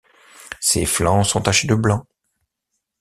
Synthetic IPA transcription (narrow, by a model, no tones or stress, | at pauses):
sḛflɑ̃sɔ̃t̪aʃed̪əblɑ̃